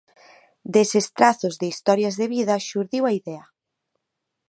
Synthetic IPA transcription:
d̪esest̪ɾaθozðeist̪ɔɾjazðeβiðɐʃuɾðiwaiðɛa

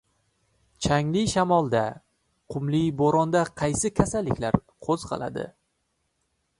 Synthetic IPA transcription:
t͡ʃʰaŋlɪʃamɒlˠd̪a | qʰʊmliboɾɒnd̪aqʰɑjsɪkʲʰasalːɪkʲlaɾ | qʰoz̥qʰɑ̰lˠa̰d̪ɪ̰

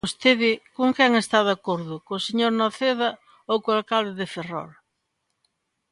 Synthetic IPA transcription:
ost̪eðɪkoŋkɛŋest̪aðakoɾðʊkoseɲoɾnoθeða | owkoalkald̪ɪðɪferɔ̰ɾ

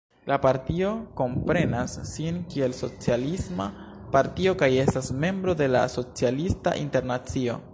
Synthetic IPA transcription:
lapaɾtio̞ko̞mpɾe̞nasːinkie̞lso̞t͡sialisma | paɾtio̞kaje̞stasme̞mbɾo̞de̞la̰so̞t͡sialista̰ʔḭnte̞ɾnat͡sio̞

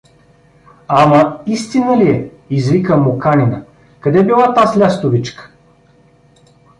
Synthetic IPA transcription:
amɐist̪inəliɛ | izvikəmokaninə | kɐd̪ɛbilˠat̪aslʲast̪ovit͡ʃkə̥

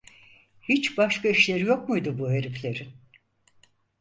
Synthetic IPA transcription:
hit͡ʃbaʃkaiʃlʲe̞ɾijo̞k̚mujd̪ubuɦeɾiflʲe̞ɾin

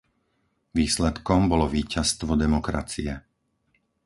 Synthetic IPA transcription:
ʋiːslɛt̪kɔmbɔlɔʋiːcast̪ʋɔd̪ɛmɔkɾa̰t͡siɛ

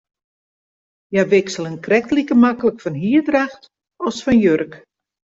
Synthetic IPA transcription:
jaʋɪksəlˠənkrɛktlikəmakələkfɔnɦiːədraxt | ɔsfɔnjørək

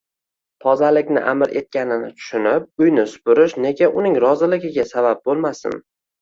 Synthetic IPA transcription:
p̪ʰɒzalɪkʲnɪ̰ʔamɪɾʔe̞t̪̚kʲanɪnɪt̪ʰʊ̥ʃʊnɪp̚ʊjnɪsʊ̥pʊɾɪʃne̞ɡʲaʔʊnɪŋɾɒzɪlɪɡʲɪɡʲasabap̚bolˠmasɪ̰n

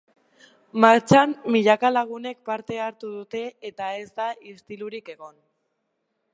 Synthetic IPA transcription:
maɾt͡samːiʎakalaɣ̞une̞k̚paɾt̪e̞aɾt̪uðut̪e̞ːt̪ae̞zd̪aist̪iluɾike̞ɣ̞o̞n

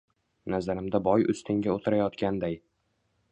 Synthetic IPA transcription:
nazaɾɪmd̪abɒjʊ̰st̪ʰɪŋɡʲaot̪ʰɪɾajɒt̪kʲand̪aj

